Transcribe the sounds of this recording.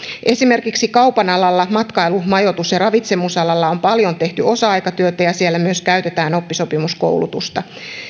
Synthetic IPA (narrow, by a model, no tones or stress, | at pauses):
ʔe̞sime̞rkiksikɑupɑnɑlɑlːɑmɑt̪kɑilumɑjo̞t̪usjɑrɑʋit̪se̞musɑlɑlːɑo̞mpɑljo̞nt̪e̞ht̪yo̞sɑɑjkɑt̪yøt̪æjɑsielːæmyøskæyt̪e̞t̪æːno̞pːiso̞pimusko̞̰wlṵt̪ust̪ɑ